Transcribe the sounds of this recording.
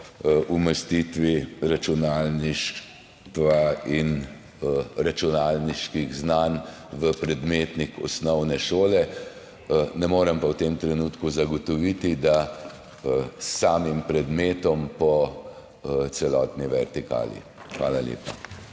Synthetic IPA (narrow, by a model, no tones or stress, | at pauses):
ʔuməst̪it̪ʋiɾat͡ʃunaːlniʃ | t̪ʋain | ɾat͡ʃunaːlniʃkiɣznan | ʋəpɾɛd̪meːt̪nikɔ̰snɔwnɛʃoːlɛ | nɛmoːɾɛmpawt̪emt̪ɾɛnut̪kuzaɡɔt̪ɔʋit̪id̪a | sːaːmimpɾɛd̪meːt̪ɔmpɔ | t̪sɛlɔːt̪niʋɛɾt̪ika̰ːlḭ | xʋaːlaljḛːpa